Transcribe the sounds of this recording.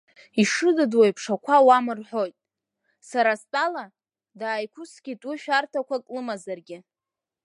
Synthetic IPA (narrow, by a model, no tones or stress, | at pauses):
iʂɨdadwajpʰʂakʷʰawamɨrħʷo̞jtʼ | saɾastʼala | daːjkʷʰʊskʲitʼuʃᶣartʰakʷʰakʼlɨmazarɡʲɪ